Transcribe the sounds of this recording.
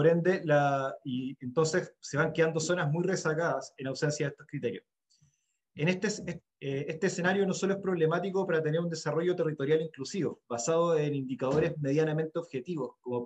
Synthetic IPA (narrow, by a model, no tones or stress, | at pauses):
poɾe̞nd̪e̞laient̪o̞nsesse̞βaŋkeand̪o̞so̞nazmujresaɣaðasenawse̞nsjaðest̪oskɾit̪e̞ɾjos | enet̪es | eest̪eːse̞naɾjono̞so̞loespɾo̞βle̞mat̪ikopaɾat̪e̞neɾund̪e̞saro̞ʝo̞t̪e̞rit̪o̞ɾjaliŋklusiβoβasað̞oenind̪ikað̞o̞ɾe̞zme̞ðjaname̞nt̪eoβxe̞t̪iβosko̞mo